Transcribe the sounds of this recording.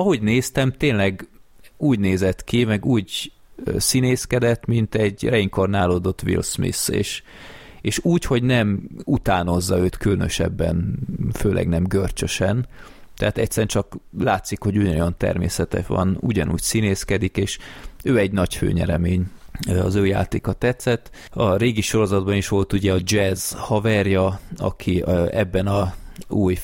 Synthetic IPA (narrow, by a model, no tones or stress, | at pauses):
ɒɦo̞ɟneːst̪ɛmt̪eːnlɛɡuːɟneːzɛt̪kimɛɡuːɟ | sineːskɛd̪ɛt̪mint̪ɛɟrɛiŋkornaːloːd̪o̞t̪ːʋḭlsmḭsḛːʃ | eːʃuːcho̞ɟnɛmut̪aːno̞zːɒøːt̪kylnø̰ʃɛ̰bːɛ̰nføːlʔɛ̰ɡnɛmɡørt͡ʃøʃɛn | t̪ɛɦat̪ɛcsɛɾɛnt͡ʃɒklaːt̪sikho̞ɟujojɒnt̪ɛ̰rmḛːsɛt̪ɛ̰ʃʋɒ̰nuɟɒnṵːcsineːskɛd̪ikeːʃøːɛɟnɒcfø̰ːɲɛ̰ɾɛmeːɲɒzøːja̰ːt̪ḛːkɒt̪ɛt̪sɛt̪ː | ɒɾeːɡiʃo̞ɾo̞zɒd̪bɒniʃʋo̞lt̪uɟɛɒd͡ʒɛzhɒvɛrjɒɒ̰kʰiɛbːɛnɒuːj